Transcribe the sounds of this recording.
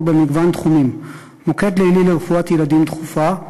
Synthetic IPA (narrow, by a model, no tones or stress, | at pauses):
be̞miɡvant̪χumim | moked̪leilileʁefuat̪jelad̪imt̪χufa